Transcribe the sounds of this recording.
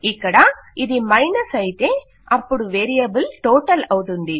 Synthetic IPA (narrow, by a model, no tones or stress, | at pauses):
ɪkːɐɽaːɪðimɐɪnɐsɐjt̪e | ɐpːɔɽɯ̃ʋeːɾijɐbɯlʈoːʈːɐlɐwt̪ɯnd̪i